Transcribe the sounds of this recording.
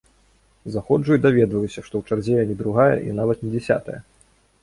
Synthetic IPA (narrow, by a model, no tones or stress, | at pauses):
zaxɔd͡ʐujd̪avʲɛd̪vɐlʲusʲɐʂt̪ɔwt͡ʂard͡zʲɛjɐnʲɛd̪ɾuɣajɐ̰ʔḭnavɐt̪nʲɛd͡zʲɛsʲa̰t̪ɐ̰jɐ̰